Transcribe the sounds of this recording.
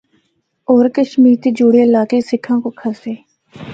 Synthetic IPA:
ɔːɾkəʃmiːɾt̪eːd͡ʒuːɽeɪlaːkesɪkʰːãːkokʰəseː

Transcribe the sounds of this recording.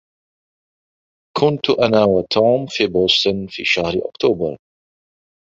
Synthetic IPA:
kʰʊnt̪ʊʔanaːwat̪ʰoːmfiːboːst̪ʊnfḭːʃahɾɪʔʊ̰kt̪ʰuːbɑ̰ɾˤ

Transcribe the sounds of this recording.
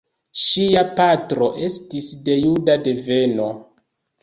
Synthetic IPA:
ʃiapatɾo̞ʔe̞stisde̞judade̞ve̞no̞

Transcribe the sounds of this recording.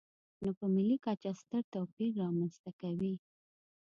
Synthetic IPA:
nopəmɪlikɑt͡ʃast̪əɾt̪opiɾːɑmanst̪akawi

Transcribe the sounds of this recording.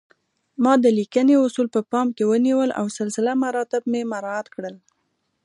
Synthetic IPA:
mɑd̪əlikəneʊsulpəpɑmkewəniwəlʔa̰wsəlsɪlamaɾɑt̪ɪbmemaɾɑat̪kɽəl

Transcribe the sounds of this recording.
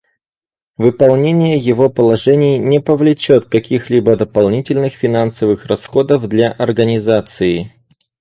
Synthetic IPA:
vɨpɐlˠnʲenʲɪjəjɪvo̞pəlˠɐʐɛnʲɪjnʲɪpəvlʲɪt͡ɕot̪kɐkʲixlʲibəd̪əpɐlˠnʲitʲɪlʲnɨxfʲɪnansəvɨxrɐsxo̞d̪əvd̪lʲaʔɐrɡənʲɪzat̪sɨɪ

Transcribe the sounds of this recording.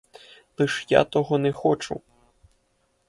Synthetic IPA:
lɨʂja̰t̪ɔɣɔnɛxɔt͡ʂṵ

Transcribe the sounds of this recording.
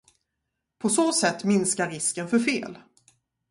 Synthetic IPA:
pʰɔsoːsɛt̪ːmɪnskaɾːɪskənfœɾfeːl

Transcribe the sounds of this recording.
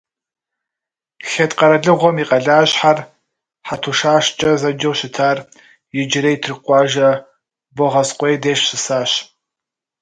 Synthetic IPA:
ɬɐtqɐɾɐɮɨʁʷɔmiːqʼɐɮaːɕħar | ħatʰuʃaːʃt͡ʃʼɐzɐd͡ʒɐwɕɪtʰaːr | jɪd͡ʒɪɾejtʰrɨqʷɑːʒɐ | bɔʁɐsqʷʼejdeːɕsɨsaːɕ

